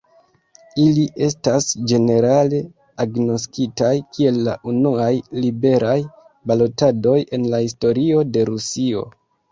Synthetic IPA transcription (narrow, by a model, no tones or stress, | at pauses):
iliʔe̞stasd͡ʒe̞ne̞ɾale̞ | aɡno̞skitajkʰie̞lːa̰ʔunuajlibe̞ɾʔaj | balo̞tado̞je̞nlahisto̞ɾio̞de̞ɾusio̞̰